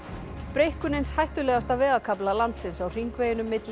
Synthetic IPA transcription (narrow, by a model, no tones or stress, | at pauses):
pɾejhkʏnejnshajht̪ʏlɛːɣast̪avɛːɣakʰaplalant̪sɪnsawr̥iŋkvejɪnʏmːɪt̪l